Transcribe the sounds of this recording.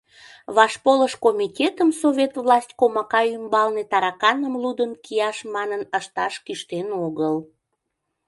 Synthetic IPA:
βɑʃpoləʃkomitʲet̪əmsovʲet̪vlɑsʲtʲkomɑkɑymbɑlnet̪ɑɾɑkɑnəmlud̪ənkijɑʃmɑnənəʃt̪ɑʃkyʃt̪enoɣəl

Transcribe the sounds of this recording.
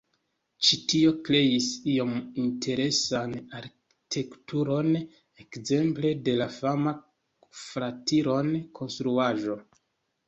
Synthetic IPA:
t͡ʃitio̞kɾe̞jisio̞mintʰe̞ɾe̞sanaɾk | itʰe̞ktuɾo̞n | e̞kze̞mple̞de̞lafama | fɾatiɾo̞nkʰo̞nstɾuaʒo̞

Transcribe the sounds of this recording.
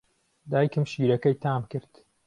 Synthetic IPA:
d̪aːjkɨmʃiːɾɐkɐjt̪ʰaːmkɨɾd̪̥

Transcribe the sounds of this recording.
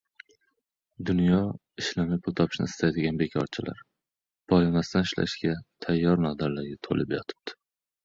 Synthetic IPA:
d̪ʊnjɒ | ɪʃlamɪpʰʊlˠt̪ʰɒpʰɪ̥ʃnɪ̰ɪst̪ʰajd̪ɪɡʲanbe̞kʲʰɒɾt͡ʃʰɪlʔa̰ɾ | b̥ɒjɪmast̪anɪʃla̰ʃɡʲat̪ʰajːɒɾnɒd̪aɾlaɾɡʲat̪ʰo̰lʔɪpjɒt̪ʰɪ̥p̚t̪ʰɪ̥

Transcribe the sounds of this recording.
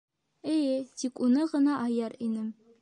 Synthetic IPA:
ɘjɘt̪ikunɤʁɤ̆nɑʔɑjɑɾinɘm

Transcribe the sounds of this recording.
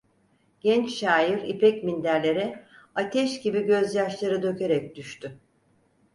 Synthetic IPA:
ɟ̥ɛnt͡ʃʃaːjiɾipɾɛcmind̪æɾlʲe̞ɾɛat̪ʰɛʃɟibiɟø̞zjaʃlˠaɾɯd̪ø̞ce̞ɾɛc̚d̪̥yʃt̪ʰy

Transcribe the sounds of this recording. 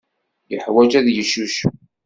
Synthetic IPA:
jəħwæd͡ʒæðjəʃːuʃ

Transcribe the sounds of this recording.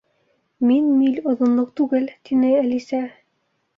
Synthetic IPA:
minmilʲŏðŏnlˠɤq̚t̪ʉɡɘlt̪inɘælisæ

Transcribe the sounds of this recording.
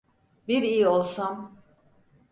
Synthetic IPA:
biɾijiolˠsam

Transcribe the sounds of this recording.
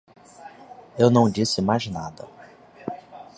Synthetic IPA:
ewnɐ̃w̃d͡ʒisɪmajznad̪ɐ

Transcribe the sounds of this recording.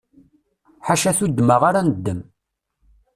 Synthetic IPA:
ħaʃæθud̪ːməʁaɾanəd̪ːəm

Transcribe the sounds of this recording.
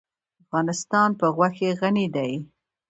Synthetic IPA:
afɣɑnɪst̪ɑnpəɣwaxeɣanid̪aj

